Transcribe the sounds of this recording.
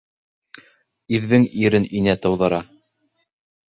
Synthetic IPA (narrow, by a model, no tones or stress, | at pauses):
iɾðɘŋiɾɘninæt̪ɤ̆wðɤ̆ɾɑ